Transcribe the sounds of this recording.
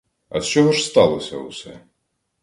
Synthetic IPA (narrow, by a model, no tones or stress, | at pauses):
ɐ̰t͡ʃɔɦɔʐst̪ɑlˠɔsʲɐ̰ʊsɛ̰